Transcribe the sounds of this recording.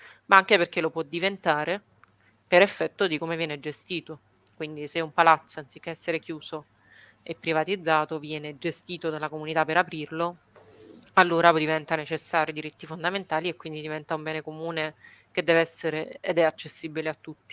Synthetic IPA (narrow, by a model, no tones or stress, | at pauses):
maaŋkeperk̟elopwɔd̪ːivent̪aːɾe | peɾefːɛt̪ːod̪ikoːmevjɛːned͡ʒest̪iːt̪o | kwind̪iseumpalat̪sːoansikːeɛsːeɾekjuːso | ɛpːɾivat̪id̪zːaːt̪ovjɛːned͡ʒest̪iːt̪od̪alːakomunit̪apːeɾapɾirlo | alːoːɾad̪ivɛnt̪anet͡ʃesːaːɾjod̪iɾit̪ːifond̪ament̪aːliekwind̪id̪ivɛnt̪aumbɛːnekomuːnek̟ed̪ːɛːvɛsːeɾeed̪ɛat͡ʃːesːibileat̪ːut̪ːi̥